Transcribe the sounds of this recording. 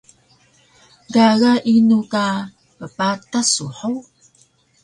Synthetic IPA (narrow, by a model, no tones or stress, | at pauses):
ɡaɣaʔinuka | pəpatasuħow